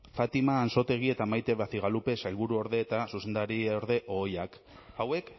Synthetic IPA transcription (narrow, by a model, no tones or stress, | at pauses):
fat̪imaːnso̞t̪e̞ɣ̞ie̞t̪amajt̪e̞βaθiɣalupe̞sajlβuɾuo̞ɾðe̞ːt̪asuse̞nd̪aɾioɾðe̞ʔo̞jak | awe̞k